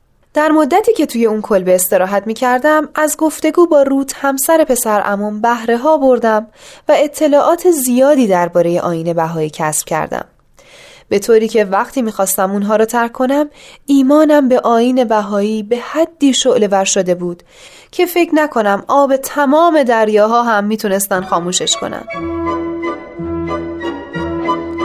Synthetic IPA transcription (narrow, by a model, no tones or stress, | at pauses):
d̪̥æɾmo̞d̪ːæt̪ʰiːcʰe̞t̪ʰuːje̞unkʰo̞lbeːst̪e̞ɾɒːɦæt̪miːcʰæɾd̪æmæzɡo̞ft̪e̞ɡuːbɒːɾuːt̪ʰhæmsæɾe̞pʰe̞sæɾʔæ̰mumbæhɾe̞ɦɒːbo̞ɾd̪æmvæe̞t̪ʰːe̞lɒːʔɒːt̪ʰezijɒːd̪iːd̪æɾbɒːɾe̞je̞̰ʔɒːjiːne̞bæɦɒːiːcʰæsb̥cʲʰæ̰ɾd̪æ̰m | b̥e̞t̪ʰoːɾiːcʰe̞væɣt̪ʰiːmiːxɒːst̪æmunɦɒːɾɒːt̪ʰæɾkʰːo̞næmʔiːmɒːnæmbe̞ʔɒːjiːne̞bæɦɒːiːbe̞hæd̪ːiːʃoʔle̞væɾʃod̪e̞buːd̪̥ | cʰe̞fe̞cʰnækʰo̞næmɒːbe̞t̪ʰæmɒːme̞d̪æɾjɒːɦɒːɦæmːiːt̪ʰune̞st̪ænd̪xɒːmuːʃe̞ʃkʰo̰næ̰n̥